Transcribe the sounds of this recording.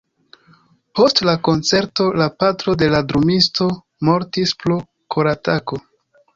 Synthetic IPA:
po̞stlako̞nt͡se̞ɾto̞lapatɾo̞de̞ladɾumisto̞ | mo̞ɾtisplo | kʰoɾatako̞

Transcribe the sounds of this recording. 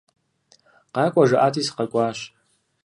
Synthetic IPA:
qakʷʼaʒaʔatʰʼisqakʷʼaʃ

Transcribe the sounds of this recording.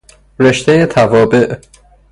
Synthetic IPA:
ɾe̞ʃt̪ʰejet̪ʰævɒːbe̞ʔ

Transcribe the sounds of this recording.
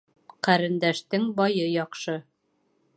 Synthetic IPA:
qæɾɘ̆nd̪æʃt̪ɘŋbɒjɤjɒqʃɤ

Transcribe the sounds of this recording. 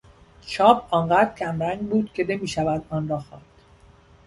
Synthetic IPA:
t͡ʃʰɒːbʰɒːnɢæːd̪ɾcʲʰæmɾæŋɡbuːd̪̥cʰe̞ne̞miːʃævæd̪ɒːnɾɒːxɒːnd̪̥

